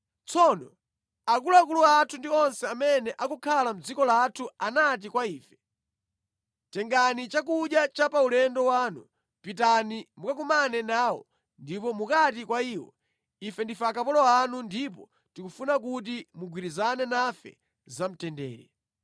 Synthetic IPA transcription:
t͡sʰɔnɔ | ak̬ulakuluatʰundiɔnsɛamɛnɛʔakukʰalam̩d͡zikɔlatʰuanat̬ikwaiːfɛ̥ | tɛŋɡanit͡ʃak̬uɗjat͡ʃapaulɛndɔwaːnu | pitanimukakumanɛnaːwɔ̰ | ndipɔmukatikwaiwɔ̰ | ifɛndifakapɔlɔanundip̬ɔ | tikufunak̬ut̬imuɡwiɾizanɛnafɛ̰ | zam̩tɛndɛ̰ːɾɛ

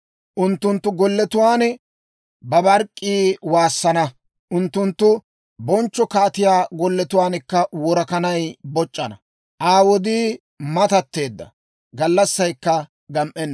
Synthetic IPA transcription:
ʔʊnt̪ːʊnt̪ːʊɡɔlːɛt̪ʊwaːnɛ | bɐbɐɾkʼːiːwaːsːɐnɐ | ʔʊnt̪ːʊnt̪ːʊ | bɔnt͡ʃːɔkɐːt̪ɪjaːɡɔlːɛt̪ʊwaːnɛkːɐwɔɾɐkɐnɐjbɔt͡ʃʼːɐnɐ | ʔaːwɔd̪iː | mɐt̪ɐt̪ːe̞ːd̪ːɐ̰ | ɡɐlːɐsːɐjkːɐ | ɡɐmʔɛnː

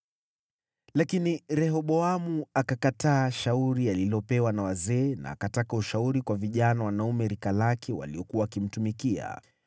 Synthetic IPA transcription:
lakiniɾɛɦɔɓɔamuakakataːʃauɾialilɔpɛwanawazɛːna̰ːkatakauʃauɾikwaviʄanawanaumɛɾikalakʰɛwa̰liɔkuwaakim̩tumikia̰

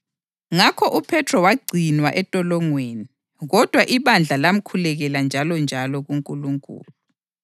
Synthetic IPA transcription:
ŋakʰɔʔupʰɛtʰrɔwaɡ͡ǀʱinwaʔɛtʼɔlɔŋweːni | ɣɔd̥ʱwaʔiβand͡ɮʱalam̩kʰulɛɣɛland͡ʒʱalɔnd͡ʒʱalɔɣuŋkʼuluŋkʼṵːlu

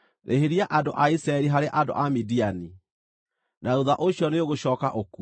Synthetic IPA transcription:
ɾʔḛɦeɾjaʔadoʔaisɾaɛɾiɦaɾeʔado̰ʔamidiani | naɾoðaʔoɕjɔneoɣoɕɔːkaʔoku

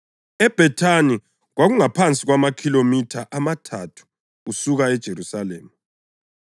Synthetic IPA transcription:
ɛb̥ʱɛtʰani | ɣwaɣuŋapʰant͡sʼiɣwamakʰilomitʰaʔamatʰatʰu̥ː | suɣaɛd̥ʒ̥ʱeɾusaleːmi

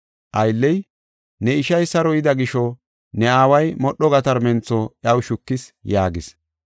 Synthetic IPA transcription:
ʔɐjlːɛj | nɛɪʃɐjsɐɾɔɪd̪ɐɡɪʃɔ | nɛaːwɐjmɔɗːɔɡɐt̪ɐɾmɛnt͡sːɔʔjɐwʃʊkːɪsjaːɡɪs

